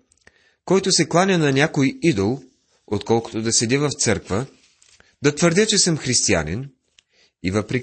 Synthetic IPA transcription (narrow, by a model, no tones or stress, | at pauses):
kɔjt̪ʊsɛklˠanʲɐnɐnʲakojid̪olˠ | ot̪kɔlˠkʊ̥t̪od̪ɐsɛd̪ivɐft̪sɤɾkvə | d̪ɐt̪vəɾd̪ʲət͡ʃɛsəmxɾist̪ia̰nḭn | ivəpɾɛ